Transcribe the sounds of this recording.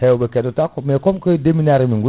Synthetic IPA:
hɛobekɛdotakmekɔmkɔdeminaɾimiŋɡu

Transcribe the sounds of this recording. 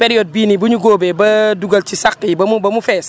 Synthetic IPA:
pɛɾijɔd̚biːnibuɲuɡɔːbɛbɐduɡɐlcisakːibɐmubɐmufɛːs

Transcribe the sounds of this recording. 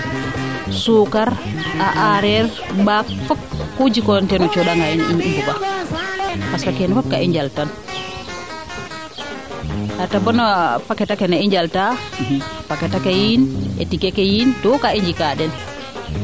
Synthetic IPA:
sukaɾʔaʔaɾɛɾ | bakfɔkːud͡ʒikɔntɛnɔt͡ʃɔɗaŋɡajiniɲimbɔba | paskakɛnfɔk̚kaʔiɲd͡ʒaltan | hatabɔnɔpakɛtakɛnaiɲd͡ʒalta | pakɛtakɛjinʔɛ̰tikɛkɛjintɔkaiɲd͡ʒikaɗɛn

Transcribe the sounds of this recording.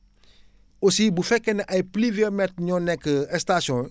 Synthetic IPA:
osibufɛkɛnaʔajpliviɔmɛt̪ɲɔ̃nɛkəɛst̪asjɔ̃

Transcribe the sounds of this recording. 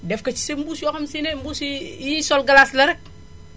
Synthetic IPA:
dɛfkɐt͡ʃi̥sembusjɔxɐmsinembusiisɔlɡalaslɐɾɛk

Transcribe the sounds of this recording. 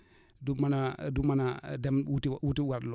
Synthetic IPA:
dumanadumanadɛmutiwutiwaɾl

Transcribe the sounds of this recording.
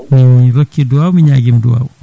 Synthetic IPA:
miiɾəkːiduawmiɲaɡimdua̰w

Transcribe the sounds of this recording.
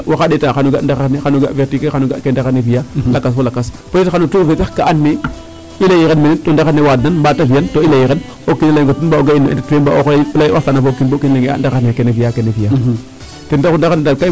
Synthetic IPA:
waxadetaxanuɡandaɣanexanuɡaveɾtikexanuɡa̰kendaɣanevijalakasfolakas | poetxanutuvetakaʔanːe | ilajiɣenminintondaxanːewadnanbatavijantoilajiɣen | okːinlaɡotunbaoɡainːoḭtatwemba̰ʔoxplajʔatanavokinbokinleŋɡea̰ndaɣanekenevijakenevija | tendaundaandalka

